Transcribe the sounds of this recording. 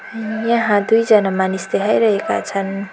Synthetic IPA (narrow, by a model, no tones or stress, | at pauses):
jʌɦãd̪ujd͡zʌnamanisleɦʌjɾʌɦeka̰t͡sʰʌn